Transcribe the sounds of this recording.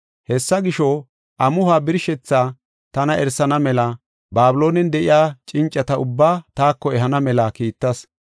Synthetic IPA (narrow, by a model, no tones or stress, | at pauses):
hɛsːɐɡɪʃɔ | ʔɐmʊhaːbɪɾʃɛt͡sːaː | t̪ɐnɐʔɛɾsɐnɐmɛlɐ | baːbɪlo̞ːnɛnd̪ɛʔɪjaːt͡ʃʼɪnt͡ʃʼːɐt̪ɐʊbːaːt̪aːkːɔɛɦɐnɐmɛlɐkiːt̪ːɐs